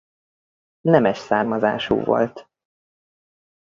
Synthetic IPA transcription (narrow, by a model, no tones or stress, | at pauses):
nɛmɛʃsaːrmɒzaːʃṵːvo̞̰lt̪